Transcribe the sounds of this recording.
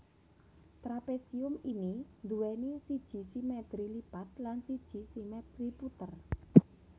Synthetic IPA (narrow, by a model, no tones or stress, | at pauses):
t̪ɾapesiʊminind̪uwɛnisid̥ʒ̥i̤simɛt̪ɾilipat̪̚lansid̥ʒ̥i̤simɛd̪ɾiput̪ər